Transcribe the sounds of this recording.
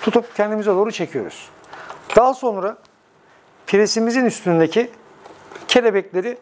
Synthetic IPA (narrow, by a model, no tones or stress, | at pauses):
t̪ʰut̪ʰupcʰɛnd̪imizɛd̪o̞ːɾut͡ʃʰe̞cʰijo̞̰ɾṵz̥ | d̪̥aːso̞nɾa | pʰiɾesimizinyst̪ʰynynd̪ecʰi | cʰe̞lʲebɛclʲe̞ɾi